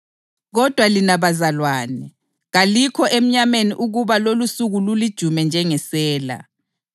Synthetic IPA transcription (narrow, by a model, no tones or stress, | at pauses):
ɣɔd̥ʱwalinaβazalwaːnɛ | ɣalikʰɔʔem̩ɲameniʔuɣuβalolusuɣululid̥ʒ̥ʱumɛnd͡ʒʱɛŋɛsɛːla̰